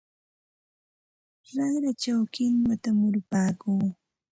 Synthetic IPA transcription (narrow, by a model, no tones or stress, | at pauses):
ɾɑŋɾat͡ʃawkɪŋwat̪amʊɾʊpaːkuː